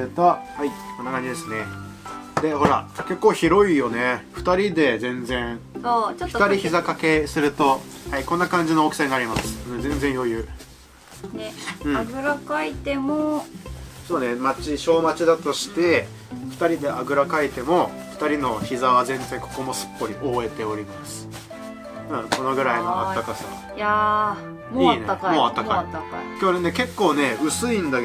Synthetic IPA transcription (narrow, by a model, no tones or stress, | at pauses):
t̪haionaɡaɲid̪e̞sɨne̞ | d̪e̞ɦo̞ɾa̰ke̞kːo̞ːçiɾo̞ijo̞ne̞ɸɯ̟̥t̪aɾʲid̪e̞zẽ̞nd͡zẽ̞ot͡ɕotɸɯ̥t̪aɾʲiçizakake̞sɨɾɯ̟t̪o̞haikõ̞nːakãɲ̟d͡ʑino̞ːki̥saĩŋɡaːɾʲimasɨ̥ɯ̃zẽ̞nzẽjo̞jɯ̟ː | eɯ̟̃aɡɯ̟ɾakait̪e̞mo | soːnemat͡ɕiɕo̞ːmat͡ɕid̪at̪o̞ɕi̥t̪e̞ | ɸɯ̟̥t̪aɾʲid̪e̞ʔaɡɯ̟ɾakait̪e̞mo̞ | ɸɯ̥t̪aɾʲino̞çizaβazẽ̞nzẽ̞ŋkʰo̞̥ko̞mo̞sɨ̥pːo̞ɾʲiʔo̞ːe̞t̪e̞o̞ɾʲimasɨ̥ | ɯ̃kono̞ɡɯ̟ɾainoa̰t̪ːakasa̰ | a | moiːnekmoːat̪ːaait̪ːakʲoːɾeneke̞kːo̞ːne̞ɯ̟sɨĩnd̪ak